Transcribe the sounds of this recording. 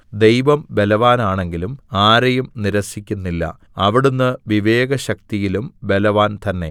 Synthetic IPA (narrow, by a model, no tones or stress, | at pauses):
d̪e̞jʋɐmbe̞lɐʋaːnaːɳe̞ŋɡilumaːɾɐjumniɾɐsikʲːunːilːɐ̰ | ɐʋiɽunːɨʋiʋe̞ːɡɐɕɐk̚t̪ijilumbe̞lɐʋaːnt̪ɐnːe̞̰